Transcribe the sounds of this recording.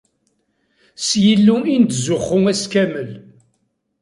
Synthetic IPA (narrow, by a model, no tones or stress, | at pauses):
sjəlːuint̪zʊχːʊŋæskæməl